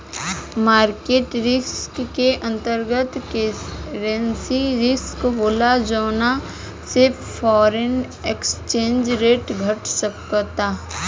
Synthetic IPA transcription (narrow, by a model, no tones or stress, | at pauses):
maːɾkeːʈɾɪskːeʔɐ̃nt̪əɾɡət̪keɾensiɾɪskboːlad͡ʒoːna | sɪɾpʰ | fʰɔːɾen | ekst͡ʃẽːnd͡ʒɾeːʈɡʱɐʈsəkt̪aː